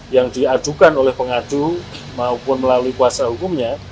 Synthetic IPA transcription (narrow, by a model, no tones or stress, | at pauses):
jaŋdiad͡ʒ̥ukanolɛhpəŋad̥u | maupʊnməlaluikuasaɦukumɲa